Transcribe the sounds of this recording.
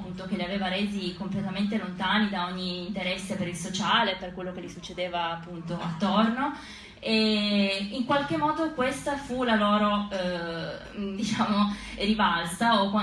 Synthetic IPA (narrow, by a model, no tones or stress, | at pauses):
pːunt̪ok̟eliaveːvaɾeːzikomplet̪ament̪̬elont̪aːnid̪aoɲːiːnt̪eɾɛsːepeɾilsot͡ʃaːleperkwelːokelisut͡ʃːed̪eːvaːpːunt̪oat̪ːorno | e | iŋkwalk̟emːɔːd̪okwest̪afulaloːɾo | d̪it͡ʃaːmorivalsaokwa